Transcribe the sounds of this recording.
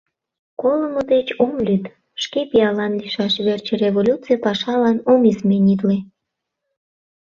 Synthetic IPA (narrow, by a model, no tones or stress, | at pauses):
koləməd̪et͡ɕomlʲyt̪ | ʃkepijɑlɑnliʃɑʃβert͡ɕəreβolʲut͡sijəpɑʃɑlɑnomizmenid̪le